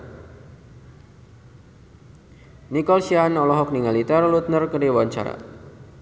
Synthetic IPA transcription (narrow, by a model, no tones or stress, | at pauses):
nikɔlsianɔlɔɦɔk̚niŋalit̪ərlut̪̚nərkərdiwaɲt͡ʃa̰ɾa̰